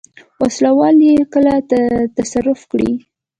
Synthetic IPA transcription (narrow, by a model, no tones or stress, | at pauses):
waslawɑljekəlat̪at̪asaɾʊfkɽḭ